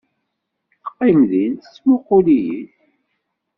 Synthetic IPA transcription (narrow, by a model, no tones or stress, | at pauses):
θə̥qːimðinθt͡sːmʊqːʊlijḭθ